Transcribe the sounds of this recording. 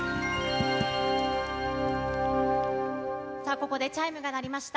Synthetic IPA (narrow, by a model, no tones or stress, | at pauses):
saːko̞ko̞d̪e̞t͡ɕaimɯ̟ɡanaɾʲimaɕi̥t̪a